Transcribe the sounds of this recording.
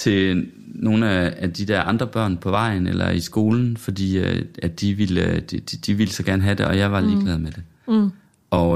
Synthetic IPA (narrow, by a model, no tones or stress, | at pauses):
t͡sʰe̝ | no̝ːn̩ææd̥id̥ɛɐʔɑ̈nd̥ʁɐb̥ɶɐ̰npʰɒ̽ʋɑ̈ɪ̰nḛlɐ̰isɡ̥o̝ːln̩fɒ̽d̥ḭːædd̥iʋild̥d̥iʋilsɒ̽ɡ̥æɐnəɦæd̥e̝ɒ̽jɑ̈ɪʋɑ̈liːɡ̥lɛːð̞ˠmed̥e̝ | ɒ̽